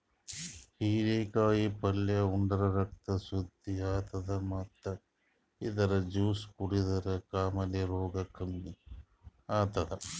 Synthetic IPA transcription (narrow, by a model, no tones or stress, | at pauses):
hiːɾeːkaːjipɐljɐuɳɖɐɾɐɾɐk̚t̪ɐsud̪ʱːiaːt̪ɐd̪ɐmɐt̪ːɐ | id̪ɐɾɐd͡ʒuːspuɽid̪ɐɾɐkaːmɐleɾoːɡɐkʰɐmːi | aːt̪ɐd̪ɐ